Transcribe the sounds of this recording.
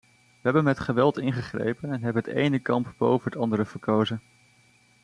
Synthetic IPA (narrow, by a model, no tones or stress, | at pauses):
ʋəɦɛbənmɛtχəʋɛlˠtɪnχəχrḛjpənɛnɦɛbənətḛjnəkɑmpbo̰wvənɦətɑndəɾəvəɹkowzən